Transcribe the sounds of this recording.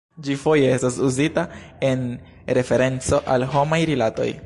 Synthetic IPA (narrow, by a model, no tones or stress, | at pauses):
d͡ʒifo̞je̞e̞stasuzitae̞n | ɾe̞fe̞ɾe̞nt͡so̞ʔalɦo̞majɾilato̞̰j